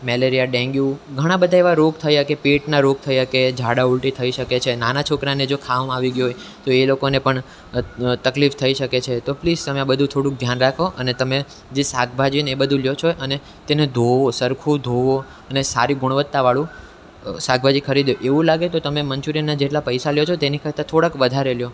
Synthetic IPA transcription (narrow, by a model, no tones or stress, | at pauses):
mɛleɾijaɖɛ̃ŋɡjuɡʱəɽ̃ãbəd̪ʱaeʋaɾoɡ̚t̪ʰəjakepeʈnaɾoɡ̚t̪ʰəjaked͡ʒʱaɽaulʈit̪ʰəiʃəket͡ʃʰenanat͡ʃʰokɾaned͡ʒokʰaʋmaʋiɡjuojt̪oelokonepəɳ | t̪əklift̪ʰəiʃəket͡ʃʰet̪opliːd͡ʒt̪əmeabəd̪ʱũt̪ʰoɽũk̚d̪ʱjanɾakʰoʔənet̪əme | d͡ʒesak̚ʰbʱad͡ʒinebəd̪ʱũljot͡ʃʰoʔəne | t̪ened̪ʱoʋosəɾkʰud̪ʱoʋo | ənesa̰ɾiɡʊɽʋət̪ːaʋaɭũ | saɡ̚bʱad͡ʒikʰəɾid̪joʔeʋũlaɡet̪ot̪əmemənt͡ʃuɾinad͡ʒeʈlapəjsaljot͡ʃʰot̪enikʰəɾt̪at̪ʰoɽəkʋəd̪ʱaɾeljo